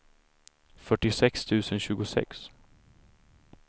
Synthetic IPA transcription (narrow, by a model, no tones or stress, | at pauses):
fœʈːɪsɛkst̪ʰʉ̟ːsənɕʉ̟ːɡʊsɛ̰ks